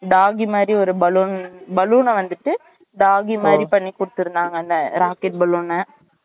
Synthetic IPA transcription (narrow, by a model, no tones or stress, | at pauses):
ɖaːɣimaːd̪ɾiɔɾɯbɐluːnbɐluːnɐʋɐnd̪ɯʈːɯ | ɖaːɣimaːd̪ɾipɐɳːikːʊɽɯt̪ːɯɾɯnd̪aːŋɡɐɪnd̪ɐɾaːkɛʈ̚bɐluːnɐ